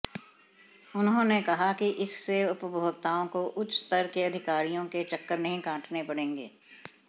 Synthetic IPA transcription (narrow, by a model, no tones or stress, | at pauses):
ʊnɦõːnekɐɦakiʔɪsːeʊpbʱoːɡ̚t̪aːõkoʔʊt͡ʃːst̪əɾkeɐd̪ʱɪkaːɾijõket͡ʃɐkːəɾnɐɦĩkãːʈʰnepɐɽẽːŋɡḛː